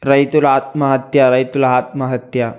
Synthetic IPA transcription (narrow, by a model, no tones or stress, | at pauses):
ɾɐjt̪ulat̪mɐɦət̪jaɾɐjt̪ulɦat̪̚mɐɦət̪ja